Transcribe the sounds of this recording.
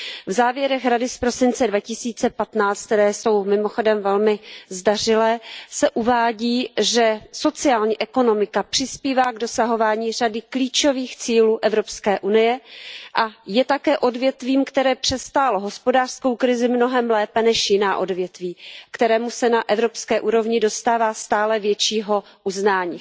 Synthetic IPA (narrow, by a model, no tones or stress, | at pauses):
vzaːvjɛɾɛxɾadɪspɾo̞sɪnt͡sɛdvacɪsiːt͡sɛpat̪naːt͡st̪̚t̪ɛɾɛːso̞wmɪmo̞xo̞dɛmvɛlmɪzdar̝ɪlɛːsɛʔuvaːɟiːʒɛso̞t͡sɪaːlɲiːʔɛko̞no̞mɪkapr̥ɪspiːvaːɡdo̞saɦo̞vaːɲiːradɪkliːt͡ʃo̞viːxt͡siːluːʔɛvɾo̞pskɛːʔunɪjɛʔajɛt̪akɛːʔo̞dvjɛt̪viːmkt̪ɛɾɛːpr̝̥ɛst̪aːloɦo̞spo̞daːr̥sko̞wkɾɪzɪmno̞ɦɛmlɛːpɛnɛʃjɪnaːʔodvjɛt̪viːkt̪ɛɾɛːmusɛnaʔɛvɾo̞pskɛːʔuːɾo̞vɲɪdo̞st̪aːvaːst̪aːlɛvjɛt͡ʃiːɦo̞ | ʔuznaːɲiː